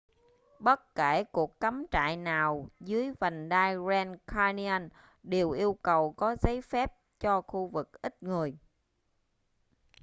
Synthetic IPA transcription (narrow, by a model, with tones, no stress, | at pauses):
ɓə˦˥t̚ke˧˩ku˨˩əkːa˨˦mt͡ɕa̰ː˧˨jnaː˨˩wzɨ˨˦əjvə˨˩ŋɗaː˧jzɛ˧nkʰaː˧ni˧a˧n | ɗe˨˩wʔi˧əwkə˨˩wkɔ˨˦zə˨˦jfɛ˦˥p̚t͡ɕɔ˧xu˧vɨ˨˩k̚ʔï˦˥t̚ŋɨ˨˩əj